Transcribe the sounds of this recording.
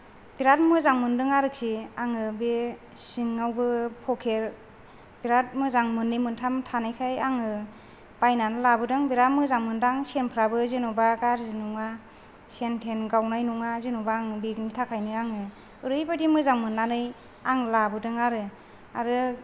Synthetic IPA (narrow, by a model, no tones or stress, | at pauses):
b̥iɾat̚mɯzaŋmɯndɯŋaɾɯksiaŋɯbe | siŋːawbɯpʰɔkʰeɾ | b̥iɾat̚mɯzaŋmɯnːɯmɯntʰamtʰanɯjkʰajaŋɯ | b̥ajnanɯlabɯdɯŋbiɾat̚mɯzaŋmɯndaŋsenpʰɾabɯzɯnubaɡaɾzɯnuŋa | sentʰenɡawnajnuŋazinubaːŋɯbiknitʰakʰajnɯaŋɯ | ɯɾɯjbadimɯzaŋmɯnːanɯj | aŋlabɯdɯŋaɾɯ | aɾɯ